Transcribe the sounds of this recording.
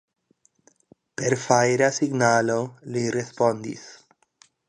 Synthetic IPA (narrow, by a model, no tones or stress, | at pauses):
peɾfaɾasiɡnalolirespond̪ḭs